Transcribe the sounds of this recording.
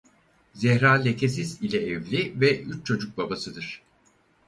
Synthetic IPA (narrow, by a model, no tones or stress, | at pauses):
zɛhɾaːlʲecʰesizilʲɛɛvlʲivɛʔyt͡ʃt͡ʃʰo̞d͡ʒuk̚babasɯd̪ɯɾ̥